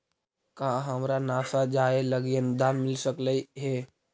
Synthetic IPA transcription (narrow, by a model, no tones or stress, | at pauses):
kaɦəmɾanaːsad͡ʒaːeləɡənd̪aːnmɪlsəkləiɦɛː